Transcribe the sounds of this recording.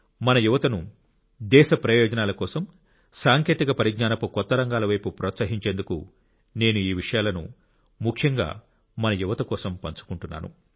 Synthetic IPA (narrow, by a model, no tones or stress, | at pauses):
mɐnɐjuʋɐt̪ɐnu | d̪ɛːʃɐpɾɐjɔːd͡ʒɐnaːlɐkɔːsɐm | saːŋke̞ːt̪ikɐpɐɾiɡnaːnɐpukɔt̪ːɐɾɐŋɡaːlɐʋɐjpupɾɔːt̪sɐɦiɲt͡ʃe̞ːnd̪ukṵ | ne̞ːnuiːʋiʂɐjaːlɐnṵ | mukʂjɐŋɡa̰ː | mɐnɐjuʋɐt̪ɐkɔːsɐmpɐnt͡ʃu̥kuɳʈunːa̰ːnṵ